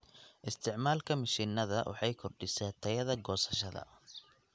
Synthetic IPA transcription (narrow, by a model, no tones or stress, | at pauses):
ʔɪst̪ʰɪʕmaːlkʰɐmɐʃiːnɐðɐwʔɑ̰ħɑjkʰɔrɖɪsɛːt̪ʰɐjɐðɐɡɔːsɐ̥ʃɐðɐ̰